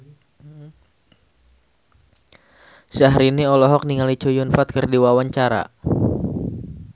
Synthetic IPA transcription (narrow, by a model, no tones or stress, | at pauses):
saɦɾiniɔlɔɦɔk̚niŋalit͡ʃojʊnfat̪̚kərdiwawaɲt͡ʃaɾa̰